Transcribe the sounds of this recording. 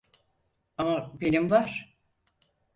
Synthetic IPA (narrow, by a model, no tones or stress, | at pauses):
amabenimvaɾ̥